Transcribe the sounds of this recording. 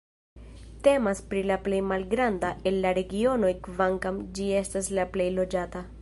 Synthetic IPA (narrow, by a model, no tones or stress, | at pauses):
t̪e̞maspɾilaplejmalɡɾand̪aʔelːaɾe̞ɡio̞no̞jkvaŋkamd͡ʒie̞staslaple̞jlo̞d͡ʒat̪a